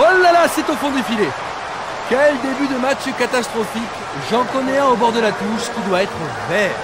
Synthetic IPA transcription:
olalasɛt̪ofɔ̃d̪efile | kʲɛld̪ebyd̪əmat͡ʃkat̪ast̪χɔfik | ʒɑ̃kɔneɛ̃obɔʁd̪əlat̪uʃkʲid̪waɛt̪χə | vɛːʁ

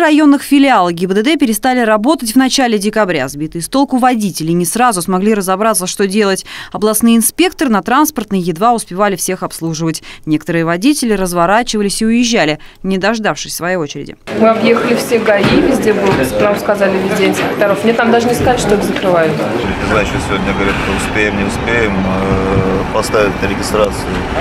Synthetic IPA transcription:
rɐjo̞nːɨxfʲɪlʲɪalˠəɡʲɪbəd̪əd̪ɛpʲɪɾʲɪst̪alʲɪɾɐbo̞t̪ətʲvnɐt͡ɕælʲɪdʲɪkɐbɾʲa̰zbʲit̪ɨjɪst̪o̞lˠkʊvɐdʲitʲɪlʲɪnʲɪsrazʊsmɐɡlʲiɾəzɐbɾat̪səʂt̪odʲe̞lˠətʲɐblˠɐsnɨjɪnspʲe̞k̚t̪əɾɨnɐt̪ɾanspərt̪nɨjəjɪd̪vaʊspʲɪvalʲɪfsʲe̞xɐpslˠuʐɨvətʲnʲe̞kə̥t̪əɾɨjəvɐdʲitʲɪlʲɪrəzvɐɾat͡ɕɪvəlʲɪsʲɪʊjɪʑːælʲɪnʲɪd̪ɐʐd̪afʂɨsʲsvɐjejo̞t͡ɕɪɾʲɪ̰dʲɪ̰mɨɐbje̞xəlʲɪfsʲeɡɐivʲɪzʲdʲebɨlˠnamskɐzalʲɪvʲɪzʲdʲeɪnsʲpʲɪk̚t̪ɐɾofmnʲet̪amd̪aʐɨnʲɪskɐalʲʂt̪oixzəkɾɨvajʊt̪ot̪ʲnʲɪznajt͡ɕt̪osʲɪvodʲnʲəɡəvɐɾʲit̪ɨʊspʲejɪmnʲɪʊspʲejɪməpɐst̪avʲɪtʲnəɾʲɪɡʲɪst̪ɾat̪sɨʊ

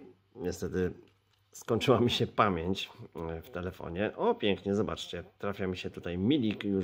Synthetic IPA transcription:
ɲɛst̪ɛt̪ɘ | skɔɲʲt͡ʂɘwamʲiɕɛpamʲjeɲt͡ɕft̪ɛlɛfɔ̰ɲɛʔɔpʲjɛŋkɲɛzɔba̰t͡ʂt͡ɕɛt̪ɾafʲjamʲiɕɛt̪ut̪ajmʲilʲikju

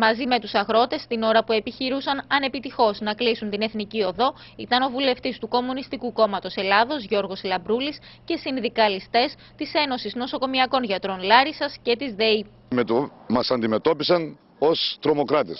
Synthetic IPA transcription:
mɐzime̞t̪usɐɣɾo̞t̪e̞st̪ino̞ɾɐpue̞piçiɾusɐnɐne̞pit̪ixo̞znɐklisunt̪ine̞θnicio̞ðo̞ | ḭt̪ɐno̞vule̞ft̪ist̪uko̞munist̪ikuko̞mɐt̪o̞selɐðo̞zʝo̞ɾɣo̞slɐbɾulisce̞sinðikɐlist̪e̞s | t̪ise̞no̞sizno̞so̞ko̞miɐko̞nʝɐt̪ɾo̞nlɐɾisɐsce̞t̪izðe̞i | mɐsɐnd̪ime̞t̪o̞pisɐn | o̞st̪ɾo̞mo̞kɾɐt̪es

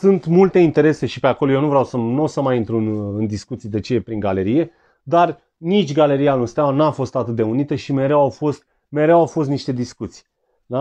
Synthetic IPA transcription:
sunt̪mult̪e̞int̪e̞ɾe̞se̞ʃipeakolojenuvɾeawsənosəmajint̪ɾunɨnd̪iskut̪sijd̪e̞t͡ʃeepɾiŋɡale̞ɾije̞ | d̪ar | nit͡ʃʲɡale̞ɾijanunst̪awanafo̞st̪at̪ɨt̪̚d̪e̞unit̪əʃime̞ɾewawfo̞st̪̚ | me̞ɾewawfo̞st̪niʃt̪e̞d̪iskut̪si̥j | na

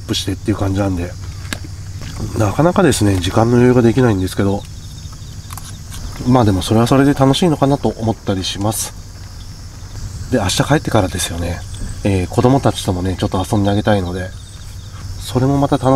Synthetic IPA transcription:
pːɯ̟ɕi̥t̪e̞t̪ːe̞iɯ̟kãɲ̟d͡ʑinãnd̪e̞ | nakanakad̪e̞sɨne̞ʑikãnːo̞joːɡad̪e̞kʲinaĩnd̪e̞sɨ̥ke̞d̪o | maːd̪e̞mo̞so̞ɾe̞βaso̞ɾe̞d̪e̞t̪ano̞ɕiːno̞kanat̪o̞ʔomo̞t̪ːaɾʲiɕimasɨ̥ | d̪e̞aɕi̥t̪akae̞t̪ːe̞kaɾad̪e̞sɨ̥jo̞ne̞ː | ko̞d̪o̞mo̞t̪at͡ɕi̥t̪o̞mo̞ne̞t͡ɕo̞t̪ːoasõ̞nd̪e̞aɡe̞t̪aino̞d̪e̞ | so̞ɾe̞mo̞mat̪at̪an

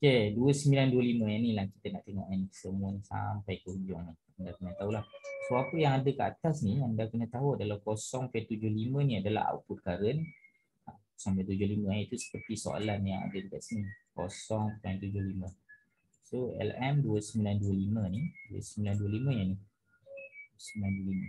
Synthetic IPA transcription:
keduəsəmbilanduəliməjanilahki̥t̪əna̰ʔt̪eŋɔ̰ʔansəmʊnsa̰mpajkəud͡ʒɔŋni | əndakənət̪aɦulahsoapəjaŋadəkəa̰t̪asniəndakənət̪aɦuadalamkosɔŋpɛnt̪ud͡ʒʊhliməniadəla̰ha̰wput̪̚kaɾəni | ako̥sɔŋpɛnt̪ud͡ʒʊhlimə̃ait̪usə̥pərt̪iso̰a̰lanjaŋa̰dəd͡ʒukaʔ̪səniko̰sɔŋpɛnt̪ud͡ʒʊhlimə̃ | soɛ̰lɛmduəsəmbilanduəliməniduə̰səmbilanduəlimə̃jani | əsəmbilanduəlimə

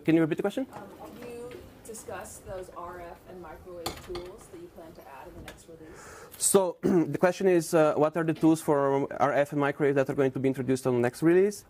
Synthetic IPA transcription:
kɛ̃njuɹip̬it̪̚dəkwɛst͡ʃə̃njɨdɨskʌsðoʊzɑɹɛfɨ̃nmaɪkɹoɪv̥tʰulˠzðɨt͡ʃɨpʰl̥æ̃ntɨʔæɾ̃nðənɛkstɹɪlissod̪əkwɛstt͡ʃə̃nɪzwɔt̪aɹd̪ət̪ulˠsfɔɹa̰ɹɛfɛ̃nmaɪkɹoɛfd̪ætaɹɡoɪ̃ŋt̪ubiɪ̃nt̪ɹod̪justnðənɛkstɹilis

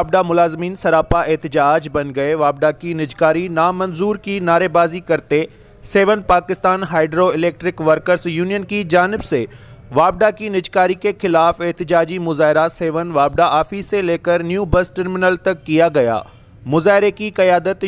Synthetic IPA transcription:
b̚ɖ̪amʊlaːzmiːnsɐɾaːpaʔeɦt̪ɪd͡ʑaːd͡ʑbɐ̃nɡɐeʋaːb̚ɖ̪akinɪd͡ʑkaːɾinaːmɐnzuːɾkinaːɾebaːzikɐɾt̪e | seːʋənpaːkɪst̪aːnɦaːɪɖɾoɪleːk̚ʈɾɪkʋɐɾkəɾzjuːnijənkid͡ʑaːnɪbseʋaːb̚ɖakinɪd͡ʑkaːɾikexɪlaːfeɦt̪ɪd͡ʑaːd͡ʑimʊzaːɦɪɾaseːʋənʋaːb̚ɖaaːfiseleːkəɾnjuːbɐsʈəɾmɪnəlt̪ɐkːijaɡɐja̰ː | mʊzaːɦɪɾekikɐjaːd̪ət̪

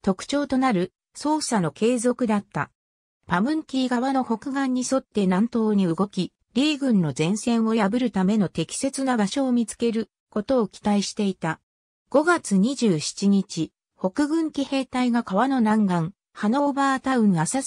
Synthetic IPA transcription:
t̪o̞kɯ̟̥t͡ɕo̞ːt̪o̞naɾɯ̟ | so̞ːsano̞ke̞ːzo̞kɯ̟d̪at̪ːa̰ | pamɯ̟̃ŋkʲiːɡaβanoho̞kɯ̟ɡãɲ̟ːiso̞t̪ːe̞nãnt̪o̞ːɲ̟iɯ̟ɡo̞kʲi | ɾʲiːɡɯ̟̃nːo̞zẽ̞ɰ̃sẽ̞ɰ̃o̞jabɯ̟ɾɯ̟t̪ame̞no̞t̪e̞kʲi̥se̞t͡sɨnabaɕo̞ːmʲit͡sɨ̥ke̞ɾɯ̟ | ko̞t̪o̞ːkʲi̥t̪aiɕi̥t̪e̞it̪a | ɡ̥o̞ɡat͡sɨɲ̟iʑɨːɕi̥t͡ɕiɲ̟it͡ɕi | ho̞kɯ̟ɡɯ̟̃ŋkʲihe̞ːt̪aiɡakaβano̞nãŋɡãŋ | hano̞baːt̪aɯ̟̃ŋasa

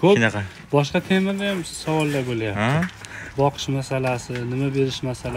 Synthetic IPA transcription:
kʰonqɑ | bɒʃ̬qɑt̪ʰe̞mɪɾd̪ajamsavɒlˠd̪abolajap̪̚ʰɪbɒqʰɨ̥ɪ̥ʃmasalasɪnɪmabe̞ɾɪʃmasala

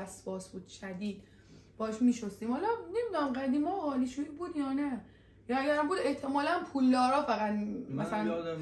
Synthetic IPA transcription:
æsbɒːsbuːd̪̥ʃæd̪iːd̪̥ | b̥ɒːɛʃmiːʃost̪iːmhɒlɒne̞mid̪unæmɡæd̪iːmɒɒːliʃuiːbuːd̪jɒːnæ | jɒæɟæɾmbuːd̪e̞ht̪ʰe̞mɒːlænpʰuːlːɒːɾɒːfæɣæt̪mæsælæn

